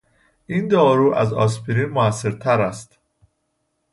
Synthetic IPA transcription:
ʔind̪ɒːɾuːʔæ̰zɒ̰spʰiɾimoæsːe̞ɾt̪ʰæɾæst̪

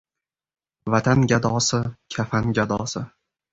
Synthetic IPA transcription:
vat̪ʰanɡʲad̪ɒːsɪkʲʰafanɡʲad̪ɒːsɪ

